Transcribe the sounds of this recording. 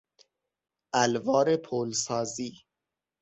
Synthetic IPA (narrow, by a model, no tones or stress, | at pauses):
ʔælvɒːɾepʰolsɒːziː